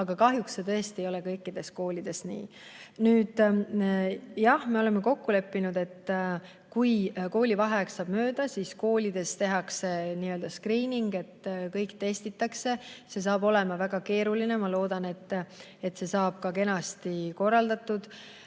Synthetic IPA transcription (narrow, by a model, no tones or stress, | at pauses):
ɑɡ̥ɑkɑɦjuksːe̞t̪ɤ̞est̪iejo̞le̞kɤjkːˑid̪̥e̞sko̞ːlʲid̪̥e̞snḭː | nyːd̪̥ | jɑhme̞o̞le̞mːeko̞kːule̞pːinud̪̥e̞t̪ː | kujko̞ːlʲivɑɦeksɑːb̥mø̞ːd̪̥ɑsisko̞ːlʲid̪̥e̞st̪e̞ɦɑkse̞niːø̞ld̪̥ɑskriːniŋɡe̞t̪ːkɤjkt̪e̞st̪it̪ːˑɑkse̞se̞s̬ɑːb̥o̞le̞mɑvæɡ̥ɑke̞ːɾuline̞mɑlo̞ːd̪ɑne̞t̪ːˑe̞t̪se̞sɑːb̥̚kɑke̞nɑst̪iko̞rːɑld̪ɑt̪ːud̪̥